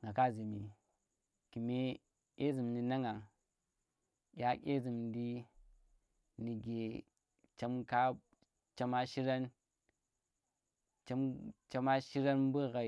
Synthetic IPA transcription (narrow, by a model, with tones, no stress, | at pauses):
ŋa˨ka˦˨zi˨mi˨ | ki˨me˦ | kʲe˦zi˨mni˨na˦ŋa˨ŋ | kʲa˦kʲḛ˦zi˨mdi˦ | ni˨ɡe˨ | t͡ʃe˦mka˦ | t͡ʃa˦ma˦ʃi˦ɾa˦n | t͡ʃe˦mt͡ʃa˦ma˦ʃi˦ɾa˦nbu˦˨ɣa˨